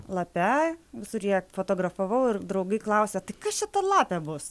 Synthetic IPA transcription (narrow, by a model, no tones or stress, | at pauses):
lˠɐpʲæʋʲɪsʊɾʲjiɛfoːt̪oːɡɾɐfɐʋɐʊɪrd̪ɾɐʊɡɐɪklˠɐʊsʲɛt̪ɐɪkɐsʃʲɪt̪ɐlˠɑːpʲæbʊs